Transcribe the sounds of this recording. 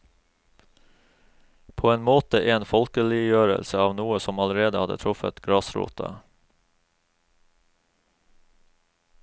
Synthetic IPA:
pʰoːeːnmoːt̪əʔeːnfɔlkəlɪjøːɾə̰lsəɑːʋnuːəsɔmɑləɾeːd̪əhɑd̪ə̰t̪ʰɾʊfə̰t̪ɡɾɑsɾṵːt̪ʰɑ̰

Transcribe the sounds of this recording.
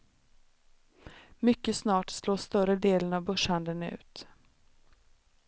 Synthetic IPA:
mʏkːəsnɑːʈsloːst̪œɾəd̪eːlənavbœʂhand̪ənʉ̟̰ːt̪

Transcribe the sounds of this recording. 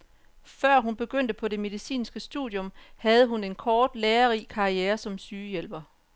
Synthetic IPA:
fɶɐ̰ɦunb̥e̝ɡ̥øn̰d̥əpʰɒ̽de̝me̝ð̞ˠisḭːnsɡ̥əsd̥ṵðˠjɔ̽mhæð̞̩ˠəɦune̝nkʰɒːd̥leːɐʁikʰɑ̈ieːɐsɒ̽msyːjel̰b̥ɐ

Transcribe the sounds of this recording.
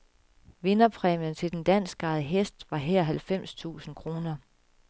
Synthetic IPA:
ʋe̝nɐpʰʁɛmjənt͡sʰe̝d̥end̥æn̰sɡ̥ɑ̈ɪð̩ˠəɦesd̥ʋɑ̈ɦɛɐɦælfem̰st͡sʰṵːsn̩kʰʁo̝ːnɐ

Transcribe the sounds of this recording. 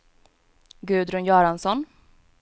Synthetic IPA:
ɡʉ̟ːd̪ɾɵnjœːɾansɔn

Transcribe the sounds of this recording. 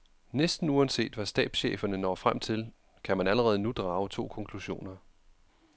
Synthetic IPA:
nesd̥n̩uɒnse̝̰ːd̥ʋæsd̥ɛ̰ːb̥sɕeːfɐnənɒ̰ːfʁam̰t͡sʰe̝l | kʰæmænæləʁɛːð̞ˠənud̥ʁɑ̈ːʊt͡sʰo̝̰ːkʰɒ̽ŋkʰluɕo̝̰ːnɐ

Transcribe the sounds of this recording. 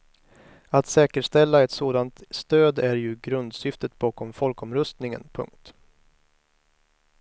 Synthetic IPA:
at̪sɛːkəʂt̪ɛlːaɛt̪soːd̪ant̪st̪øːd̪æɾjɵɡɾɵnd̪sʏft̪ət̪̚bɑːkɔmfɔlkɔmɾɵst̪nɪŋə̰npʰɵ̰ŋk̚t̪

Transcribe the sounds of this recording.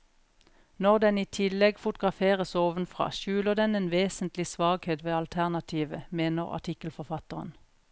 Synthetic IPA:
nɔʁd̪ɛniːt̪ʰɪlɛɡfʊt̪ʊɡʁɑfeːʁəsoːʋənfʁɑ̰ːʃʉːləʁd̪ɛneːnʋeːsən̩t̪lɪsʋɑːɡheːt̪ʋeːɑlt̪ʰæʁnɑt̪ʰiːʋəmeːnəʁɑ̰ʈ̪ʰɪkəlfɔfɑt̪əʁə̰n

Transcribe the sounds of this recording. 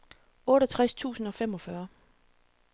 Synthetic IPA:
ɔ̽ːɾɒt͡sʰʁast͡sʰṵːsn̩ɒ̽fem̰ɒ̽fɶɐ

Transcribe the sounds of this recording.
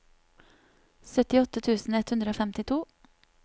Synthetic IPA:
sœt̪ɪɔt̪ət̪ʰʉːsn̩ɛt̪hʉnd̪ɾəoːfɛmt̪ɪt̪ʰuː

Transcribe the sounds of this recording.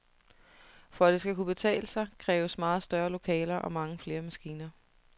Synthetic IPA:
fɒd̥esɡ̥ækub̥e̝t͡sʰɛ̰ːləsɑ̈ɪkʰʁɛːʊəsmɑ̈ːð̞̩ˠsd̥ɶɐlo̝kʰɛ̰ːlɐʔɒ̽mɑ̈ŋəfle̝ːɐmæsɡ̥iːnɐ

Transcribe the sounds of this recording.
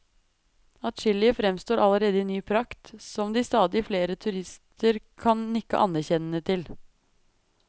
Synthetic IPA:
ɑt̪ʃɪlɪəfɾɛmst̪oːɾʔɑləɾeːd̪əɪnːyːpʰɾɑkt̪sɔmd̪iːst̪ɑːd̪ɪfleːɾət̪ʰʉɾɪst̪ʰəɾkʰɑnnɪkːə̰ʔɑ̰næɾçɛnənət̪ʰɪl

